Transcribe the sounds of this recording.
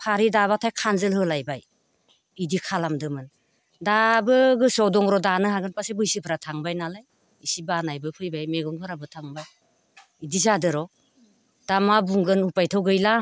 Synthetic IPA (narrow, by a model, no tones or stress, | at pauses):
pʰaɾidaβatʰajkʰanzɯlɦɯlajbaj | idikʰalamdɯmɯn | dabɯɡɯsɔwdɔŋɾɔdanɯɦaɡɯnpasebɯjsipʰɾatʰaŋbajnalaj | isibanajbɯpʰɯjbajmeɡɔnpʰɯɾabɯtʰaŋbaj | idizadɯɾɔ | d̥amabuŋɡɯnupajtʰɯwɡɯjla